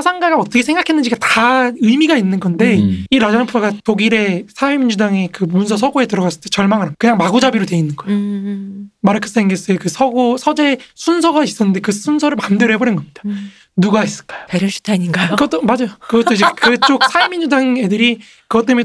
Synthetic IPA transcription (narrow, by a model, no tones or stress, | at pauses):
asʰaŋɡaɡaʌt͈ʌkʰeeŋɡakʰenːɯnɲd͡ʑiɡataɯmiɡainːɯnɡʌnde̞iɾad͡ʑanapʰaɡatoɡiɾe̞sʰaemind͡ʑudaŋe̞kɯmunsʰʌs̬ʰʌɡoe̞tɯɾʌɡas͈ɯɭt͈et͡ɕʌɭmaŋɯɾakɯɲaŋmaɡud͡ʑabiɾotwe̞inːɯnɡʌeo | maɾɯkʰɯ̥s͈eŋɡes͈ɯekɯsʰʌɡosʰʌd͡ʑe̞sʰunsʰʌɡais͈ʌnːɯnde̞kɯsʰunsʰʌɾɯɭmandweɾoɦeboɾenɡʌmɲid̥a | nuɡais͈ɯ̥ɭk͈ḁjo̥paɾjoɕʰi̥tʰaɲiɡajokɯʌt͈omad͡ʑajokɯɡʌt͈ʰoid͡ʑekɯt͡ɕ͈ok̚sʰaemind͡ʑudaŋe̞dɯɾi | kɯɡʌt͈emjʌn